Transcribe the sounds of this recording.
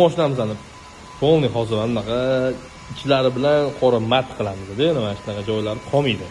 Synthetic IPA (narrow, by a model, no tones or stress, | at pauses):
mɒʃɪnamɪzanɪ | pʰolˠnɪhɒzɪɾanɪnaqʰɑ | ɪt͡ʃʰlaɾɪbɪlanqʰɒɾamat̪qʰɨlˠamɪzd̪enɪmaʃɪnɑqɑd͡ʒɒjlaɾɪqʰɒmid̪ɪ